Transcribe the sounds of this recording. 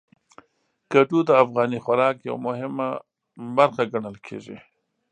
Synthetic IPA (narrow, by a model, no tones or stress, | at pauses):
kaʈud̪əafɣɑnixaɾɑkja̰wa̰mʊɦɪma | baɾxaɡaɳəlkʰḛʒḭ